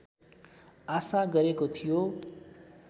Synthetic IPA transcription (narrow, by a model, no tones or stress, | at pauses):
asaɡʌɾekot̪ʰijo